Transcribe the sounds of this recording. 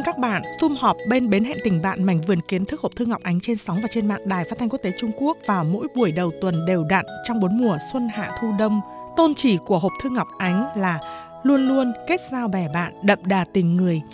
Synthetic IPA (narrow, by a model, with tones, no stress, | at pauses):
nkaː˦˥k̚ɓa̰ː˧˨nt̪ʰʊ˧mhɔ˨˩p̚ɓe˧nɓe˨˦nɦɛ̰˧˨nt̪ï˨˩ŋ̟ɓa̰ː˧˨nma̰˧˩jŋ̟vɨ˨˩ənki˨˦ənt̪ʰɨ˦˥k̚ho˨˩p̚t̪ʰŋa˨˩p̚ʔa˨˦jŋ̟t͡ɕe˧nsa˨˦wvaː˨˩t͡ɕe˧nma̰ː˧˨ŋɗaː˨˩jfa˦˥t̪̚ʰŋku˦˥t̪e˨˦t͡ɕʊ˧ŋ͡mku˦˥ək̚vaː˨˩wmo̰˧˥jɓu˧˩əjɗə˨˩wt̪wə˨˩nɗe˨˩wɗa̰˧˨nt͡ɕɔ˧wŋ͡mɓo˨˦ənmu˨˩əswə˧nha̰ː˧˨t̪ʰu˧ɗə˧wŋ͡m | t̪o˧nt͡ɕi˧˩ku˧˩əɦo˨˩p̚t̪ʰɨ˧ŋ˨˩k͡p̚ʔa˨˦jŋ̟laː˨˩ | lu˧ənlu˧ənke˦˥t̚zaː˧wɓɛ˧˩ɓa̰ː˧˨nɗə̰˧˨mɗaː˨˩t̪ï˨˩ŋ̟ŋɨ˨˩əj